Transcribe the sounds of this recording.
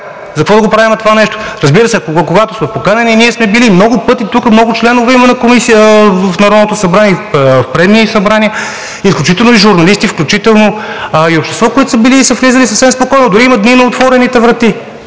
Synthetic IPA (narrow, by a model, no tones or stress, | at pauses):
zəkvɔd̪əɡopɾavimt̪ovanɛʃt̪o̥ɾəzbiɾəsɛkokoɡat̪oʊsmɛfpokanɐniniɛsmɛbilimnɔɡʊpɤt̪it̪ukəmnɔɡʊt͡ʃlɛnʊvɛimɛnɐkomisiəfnɐɾɔd̪not̪ʊsɐbɾaniɛfpɾɛd̪nisɐbɾaniə | isklʲut͡ʃit̪ɛlˠnoiʒʊɾnɐlist̪ifklʲut͡ʃit̪ɛlˠno | iopʃt̪ɛst̪vɔkʊit̪ʊ̥səbiliːsəflizəlisəfsɛmspokɔjnʊd̪ʊɾiimɐd̪ninɐot̪vɔɾɛnit̪ɛvɾɐt̪i